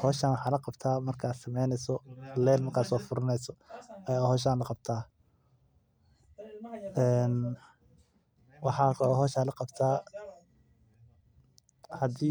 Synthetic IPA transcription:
hɔːʃaːnwɑħɑːlɐqɑbt̪ʰaːmɐrkʰaːd̪sɐmɛjnɛsɔlɛːlmɐrkʰaːsɔːfʊɾɐnɛjsɔɐjahɔːʃ̬aːnlɐqɑb̚t̪ʰaː | ɛːn | wɑħɑːkʰɦɔːʃaːlɐqɑbt̪ʰaː | hɐd̪iː

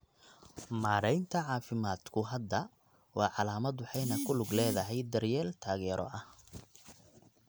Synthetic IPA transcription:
maːɾɛjnt̪ʰɐʕɑːfɪmaːd̪kʰʊɦɐd̪ːɐ | wɑːʕɑlaːmɐd̪wʊħɑjnɐkʰʊlʊɡlɛːðɐɦɛjd̪ɐrjɛːlt̪ʰaːɣɛːɾʔɔ̰ʔɐh

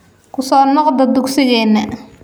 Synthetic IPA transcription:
kʰʊsɔːnɔqd̪ɐd̪ʊksɪɣɛːnːɐ

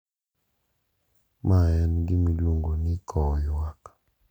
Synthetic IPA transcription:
maɛnɡimiluŋɡonikʰɔjak

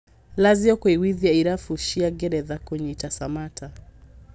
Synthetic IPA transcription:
laziɔkɔiwiðijaiɾafuʃiaɡɛɾɛðakɔɲitasamatʰa

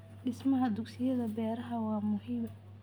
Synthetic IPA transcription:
ɖɪsmɐɦɐd̪ʊɡsɪjɐðɐbɛːɾɐɦɐwɑːmʊɦiːm

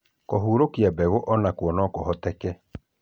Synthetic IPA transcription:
koɦuɾokiabɛɣoʔɔnakwɔnɔkɔɦɔtɛkɛ

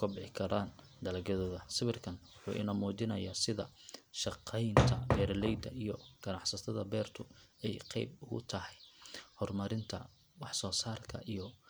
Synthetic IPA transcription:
kʰʊbɪħɪkʰɐɾaːn | d̪ɐlɐɡɐðɐðɐsɪβɪrkʰɐnwʊħṵːʔɪ̰nɐmuːd͡ʒɪnɐjaːsɪðɐ̰ʃɑqʰɛjnt̪ʰɐbɛːrlɛjd̪ɐijɔɡ̥ɐnɑħsɐt̪ʰɐðɐbɛːrt̪ʰʊɛjqɛjbʊɣʊ̰t̪ʰɐhɛjhɔrmɐɾɪnt̪ʰɐ̰ | wɑħsɔːsaːrkʰɐ̰ʔijɞ

